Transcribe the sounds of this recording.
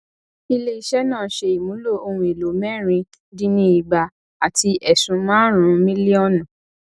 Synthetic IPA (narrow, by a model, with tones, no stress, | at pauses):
i˧le˦i˧ʃɛ˦nãː˦˨˦ʃe˧i˨mũ˨˦lo˦˨o˧hũ˧e˨lo˨˦mɛ̃˦ɾ̃ĩ˧ | dĩ˦nĩ˦i˨ɡ͡ba˧ | a˨ti˧ʔɛ˨sũ˧mãː˦ɾ̃ũ˧˦mĩ˦li˦ɔ˦˨nã˨